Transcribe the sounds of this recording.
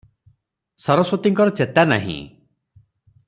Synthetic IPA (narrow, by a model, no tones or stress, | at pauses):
sɔɾɔswɔt̪iŋkɔɾɔt͡ʃet̪ana̰ɦḭ̃